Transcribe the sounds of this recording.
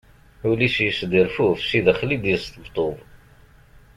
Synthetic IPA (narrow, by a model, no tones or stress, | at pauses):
ulisjəsd̪iɾfufsiðəχlid̪əst̪əbt̪ˤːoðˤ